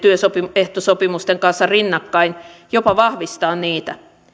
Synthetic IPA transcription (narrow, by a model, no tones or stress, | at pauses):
t̪yøsopieht̪osopimust̪eŋkɑnsːɑrinːɑkːɑinjopɑʋɑhʋist̪ɑːnniːt̪æ